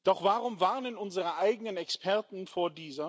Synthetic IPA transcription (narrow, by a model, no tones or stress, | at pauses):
d̥ɔχv̥aʁʊmvaɐnənʊnzəʁəʔaɪɡənənɛkspʰɛɐtn̩foːɐdiːzɐ